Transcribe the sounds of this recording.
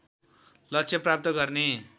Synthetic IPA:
lʌtːt͡sʰjeprap̚t̪ʌɡʌrne

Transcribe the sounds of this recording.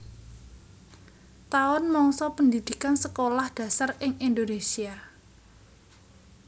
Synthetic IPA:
t̪aʊnmɔŋsɔpənd̪id̪̥i̤kansəkolahd̪̥ä̤sarɪŋind̪onesia

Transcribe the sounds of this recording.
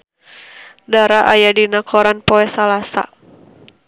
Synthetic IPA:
daɾaʔajadinakʰɔɾanpɔɛsalasa̰

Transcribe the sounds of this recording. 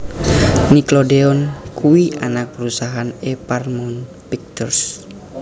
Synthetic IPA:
niklodeɔnkʰuwiʔanak̚pəɾusaɦaneparmɔn | pik̚t̪ɔrs

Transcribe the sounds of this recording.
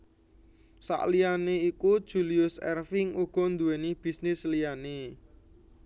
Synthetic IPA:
sa̰ʔlijaneikud̥ʒ̥uliʊsɛ̰rfɪŋuɡ̥ɔ̤nd̪uwenib̥i̤snɪslijane

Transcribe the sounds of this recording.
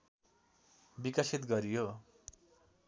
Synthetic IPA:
bikasit̪ɡʌɾijo

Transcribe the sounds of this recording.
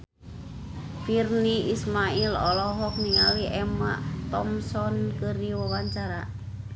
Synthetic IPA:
firniismailɔ̰lɔɦɔk̚niawiʔɛma̰ʔt̪ɔmsɔnkəɾiwɔwaɲt͡ʃaɾa

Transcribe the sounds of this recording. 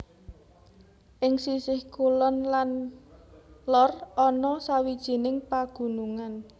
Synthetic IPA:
ʔɪŋsisɪhkulɔnlan | lɔrɔnɔsawid̥ʒ̥i̤nɪŋpaɡ̥ṳnuŋan

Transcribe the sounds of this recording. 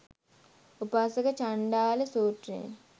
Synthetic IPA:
upaːsɐkət͡ʃaɳɖaːləsuːʈrḛn

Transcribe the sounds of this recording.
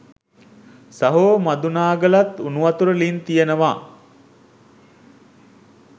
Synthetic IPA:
saɦoːmad̪unaːɡəlat̪unuʋat̪uɾəlint̪ijenəʋaː

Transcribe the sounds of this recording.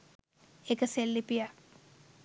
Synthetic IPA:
ekəselːipija

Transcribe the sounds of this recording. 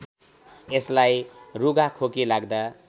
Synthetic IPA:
eslajruɡakʰokilaɡd̪a

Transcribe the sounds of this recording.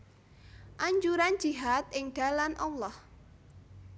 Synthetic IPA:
ʔaɲd͡ʒuɾand͡ʒiɦat̪̚ɪŋɖ̥a̤lanʔɔlːɔh

